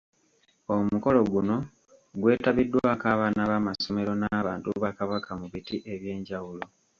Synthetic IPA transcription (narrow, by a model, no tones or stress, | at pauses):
omuko̞lo̞ɡuno̞ | ɡwe̞ːtaβidːwaːkaːβaːnaβamaso̞me̞ɾo̞naːβaːntuβakaβakamuβitiʔe̞βje̞ːɲɟawulo̞